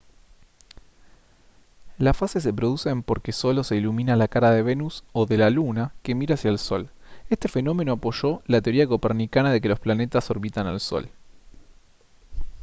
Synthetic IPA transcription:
lasfases̬e̞pɾo̞ð̞use̞ːmpo̞ɾkeso̞lo̞se̞ilumĩnalakaɾaðe̞βe̞nuso̞ðelalunake̞miɾasjaelso̞̰le̞st̪efe̞no̞me̞no̞apo̞ʒo̞lat̪eo̞ɾiakopeɾnikanaðe̞k̬e̞lo̞splane̞t̪aso̞ɾβit̪ana̰lso̞̰l

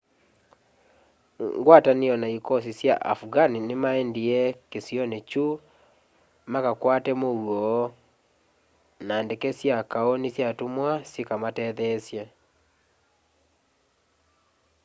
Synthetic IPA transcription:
ŋɡwataneɔnaikɔs̬isja̰ʔa̰fɡaninɪmaɛndiɛkesjɔnet͡ʃu | makakwatɛmowɔ | nandekɛsjakaonisjatumwasikamatɛðɛsje

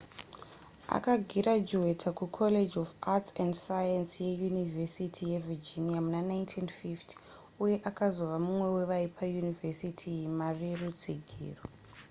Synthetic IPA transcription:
a̰kaɡʱiɾad͡ʒuwetʰakukʰoled͡ʒofatsandsajansjejunivesitʰijevid͡ʒinijamunanajntʰinfiftʰi̥ | uje̞ʔakazoʋamumwe̞we̞ʋaipʰajunivesitʰijimarerut͡siɡʱḭːro

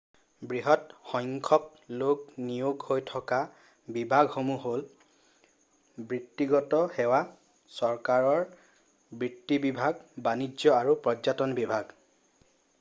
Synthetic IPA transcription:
bɹiɦɔtxɔŋkʰɔk̚ | loɡnijoɡhojtʰɔka | bibʱaɡhomuɦol | bɹitːiɡɔtɔhɛwa | sɔɹkaɹɔɹ | bɹitːibibʱaɡbanid͡ʒɔaɹupɹɔd͡ʒatɔnbibʱaɡ

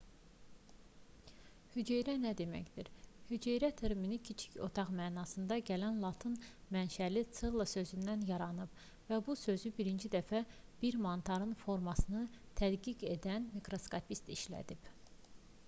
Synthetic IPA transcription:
hyd͡ʒejɾænæd̪e̞mæ̰çd̪iɾhyd͡ʒejɾæt̪ʰeɾminicʰit͡ʃʰi̥cʰo̞̰t̪ʰɑʁmæːnɑsɯnd̪ɑɟælænlˠɑt̪ʰɯnmænʃælit͡s̪ʰɯlˠːɑsø̞zynd̪ænjɑɾɑnɯb̥ | væbusø̞zybiɾind͡ʒid̪æfæb̥iɾmɑnt̪ʰɑɾɯnfo̞ɾmɑsɯnɯt̪ʰæd̪ɡiɡe̞d̪ænmikɾo̞skɑpʰist̪iʃlæ̰d̪ib̥

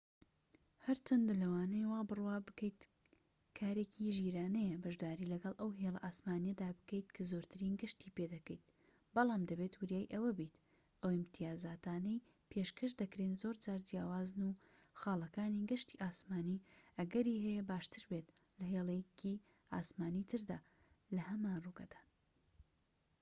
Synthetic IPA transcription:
hɐɾt͡ʃɐnd̪lɐwaːnejwaːbɨrwaːbɨkɐjt̪ | kʰaːɾekʰiʒiːɾaːnɛjɛbɐʒd̪aːɾiːlɐɡɐlˠʔɐwɦeːlˠɐ̰ʔaːsmaːnijɐd̪aːbɨ̥kejt̪kʰazoɾt̪ʰɨɾiːnɡɨʃt̪iːped̪ɐkɐjt̪̚ | bɑlˠɑːmd̪ɐbeːt̪wɨɾjaːjʔɐwɐbit̪ | ʔɐwɪmt̪ʰijaːzaːt̪aːnɐj | pʰeʃkʰɐʃd̪ɐkɾenzoɾd͡ʒaːɾd͡ʒjaːwaːznuxaːlˠɐkaːniɡɨʃt̪iʔaːsmaːniʔɐɡɐɾiːɦɛjɛbaːʃt̪ɨɾbet̪lɐɦeːlˠecʰi | ʔa̰ːsmaːniːt̪ʰɨɾd̪aː | lɐɦɐmaːnruɡɐ̰d̪̥ḁː

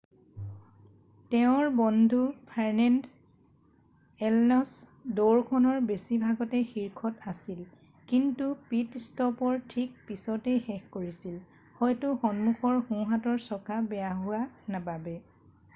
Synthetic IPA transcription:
tɛʊ̃ɹbɔndʱupʰaɹnɛnd | ɛlnɔsdoɹkʰɔnɔɹbesibʱaɡɔtɛxiɹkʰɔtasil | kintupitstɔpɔɹtʰik̚pisɔtɛxɛxkoɹisil | hɔjtuxɔnmuxɔɹxũɦatɔɹsɔkabɛjaɦʊanababɛ

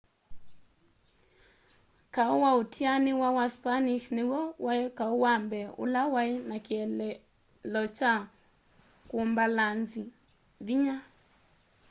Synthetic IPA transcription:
kaowaotʰianiwawaspaniʃnewɔwaɛkaowambɛo̰lawainakiɛɛ | lɔt͡ʃa | kombalanzi | βiɲa

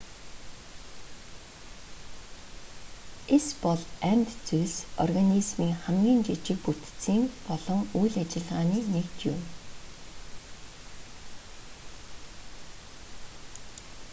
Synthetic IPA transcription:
espɔɮænʲt̪t͡suɮsɔ̰rɣanizmiːŋχæmɡʲiːnt͡ɕit͡ɕɪ̆k̚put̪t͡siːŋpɔɮɞ̆ŋujɮat͡ɕɪ̆ɮʁaːniːnekt͡ɕjʊm

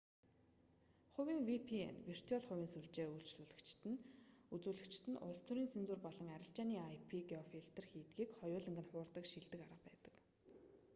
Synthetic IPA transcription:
χʊwiːŋwipʰiḛnwir̥t̪ʰiɔɮχʊwʲiːnsuɮt͡ɕeːuɮt͡ɕɮuːɮɘ̆kt͡ɕt̪ɘ̆nut͡suːɮɘ̆kt͡ɕʰt̪ʰɘ̆nʊ̰st̪ʰʊɾiːnsent͡suːrpɔɮɞ̆ŋæɾʲɪ̆ɬt͡ɕaːniːajpʰiɡiɔfiɬt̪ə̆rxiːt̪ɡiːkχɔjʊːɮɘ̆ŋɡɘ̆nχʊːrt̪ə̆kʃiɮt̪ɘ̆kaɾə̆q̚pæːt̪ə̥̆k

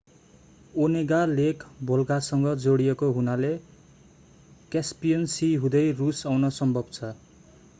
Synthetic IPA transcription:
oneɡalekbʱolɡasʌŋɡʌd͡zoɽijekoɦunale | kjaspijʌnsiɦũd̪ʌjrusawnʌsʌmbʱʌbt͡sʰʌ

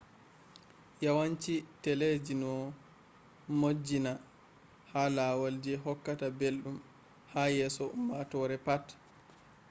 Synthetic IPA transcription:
jawaɲt͡ʃitɛled͡ʒinɔ | mod͡ʒːina | halaːwald͡ʒɛɦɔkːatabelɗum | hajɛːsɔmmatɔːɾɛpat

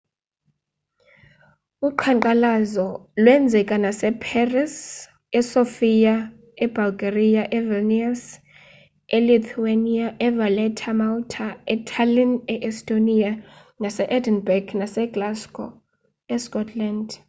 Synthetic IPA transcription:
uǃʰaŋǃalazɔlwɛnd͡zʱɛkʼanasɛpʰɛris | ɛsofija | ɛb̥alɡerijaʔɛvɛnias | ɛlit̪ʰuaniaʔɛvalɛtʰamaltʰaɛtʰalinɛʔɛstʼonia | nasɛʔɛdɛnbɛkʰnasɛɡ̥laskʼɔ̰ | ɛskʼɔtʰland

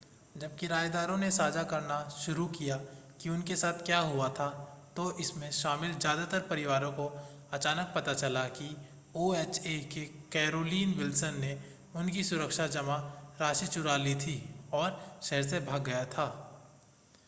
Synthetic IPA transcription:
d͡ʒɐb̚kiɾaːjed̪aːɾõnesaːd͡ʒakɐɾnaʃʊɾukijakiʊnkesaːt̪ʰkjaːɦʊat̪ʰat̪oʔɪsmẽʃaːmɪlzjaːd̪at̪əɾpɐɾɪʋaːɾõko | ɐt͡ʃaːnək̚pɐt̪at͡ʃɐlaki | oːeːt͡ʃekekɛːɾoːliːnwɪlsənːe | ʊnkisʊɾəkʃad͡ʒɐmaɾaːʃit͡ʃʊɾalit̪ʰiɔːɾʃɛɦəɾs̬ebʱaːɡːɐjat̪ʰaː

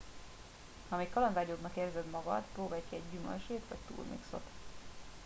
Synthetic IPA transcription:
hɒmeːkːɒlɒnd̪aːobnɒkeːrzɛd̪mɒɡɒ̰t̪proːbaːjkiɛɟːymø̰lʃeːt̪ʋɒct̪ṵːrmḭkso̞̰t̪

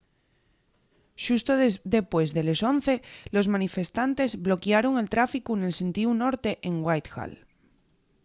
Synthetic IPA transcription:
ʃust̪oðe̞pwe̞zðe̞leso̞n̟θe̞lo̞zmãnife̞st̪ant̪e̞zβlo̞kjaɾoŋe̞lt̪ɾafikune̞lsẽ̞nt̪iuno̞ɾt̪e̞ʔeŋɡwajt̪xa̰l

